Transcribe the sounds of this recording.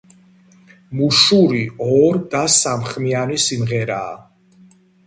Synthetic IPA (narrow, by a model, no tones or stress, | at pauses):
muʃuɾiɔɾd̪asamχmianisimʁɛɾa̰ː